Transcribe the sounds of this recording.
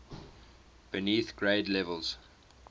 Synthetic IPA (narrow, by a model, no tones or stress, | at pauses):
b̥əniːˑθɡ̥ɹeɪdlɛvəlˠz̥